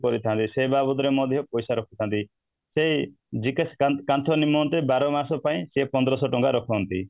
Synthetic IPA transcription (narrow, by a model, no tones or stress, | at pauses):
kɔɾit̪ʰãnt̪isebabɔd̪ɔɾemɔd̪ʱjɔpɔjsaɾɔkʰut̪ʰant̪i | sei | d͡ʒikeskakant̪ʰɔnimɔnt̪ebaɾɔmasɔpaĩsepɔnd̪ɔɾɔsɔʈɔŋɡaɾɔkʰɔɦɔnt̪ḭ